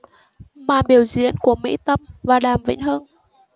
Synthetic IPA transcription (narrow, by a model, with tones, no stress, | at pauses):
maː˨˩ɓi˨˩əwzḭ˧˥ənku˧˩əmḭ˧˥t̪ə˧mvaː˨˩ɗaː˨˩mvḭ˧˨ŋ̟ɦəː˧n